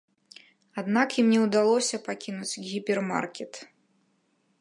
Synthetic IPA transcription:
ad̪nakimnʲɛwd̪alˠɔsʲɐpakʲinut͡sʲɣʲipʲɛrma̰rkʲɛt̪

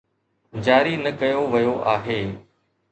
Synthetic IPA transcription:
d͡ʑaːɾinɐkɐjoʋɐjoʔaːɦeː

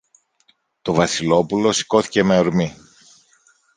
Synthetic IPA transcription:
t̪o̞vɐsilo̞pulo̞si̥ko̞θi̥ce̞meoɾmi

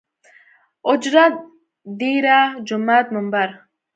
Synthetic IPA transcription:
ʊd͡ʒɾat̪̚ | d̪iːɾad͡ʒumat̪̚mumbaɾ

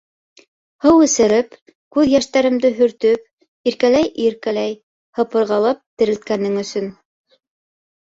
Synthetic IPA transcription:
hɤwɘ̆sɘ̆ɾɘp | kʉðjæʃt̪æɾɘ̆md̪ɘɦɵ̆ɾt̪ɵp̚ | iɾkælæjʔiɾkælæj | hɤ̆pɤ̆ɾʁɑlˠɑp̚t̪ɘ̆ɾɘ̆lt̪kænːɘŋɵ̆sɵn

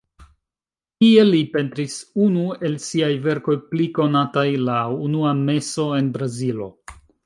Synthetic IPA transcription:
kie̞lipe̞ntɾisunue̞lsiajve̞ɾko̞jpliko̞natajlaunuame̞so̞e̞nbɾazilo̞̰

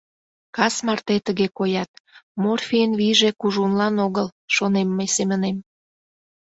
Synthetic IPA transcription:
kɑsmɑrt̪et̪əɣekojɑt̪̚morfʲiənβiʒekuʒunlɑnoɣəlʃonemːəjsemənem

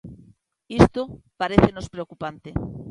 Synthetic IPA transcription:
ist̪opaɾeθenospɾeokupant̪e

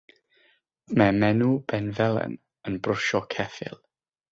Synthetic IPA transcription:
mɛmɛnubɛnvɛlˠɛ̰n | ənbrʊʃɔkʰɛfɪ̰lˠ

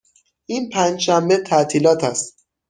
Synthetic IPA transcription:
ʔiːnpʰænd͡ʒʃæmbet̪ʰæt̪ʰiːlɒːt̪ʰæst̪

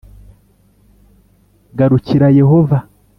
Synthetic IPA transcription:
ɡaɾuciɾajeɦova

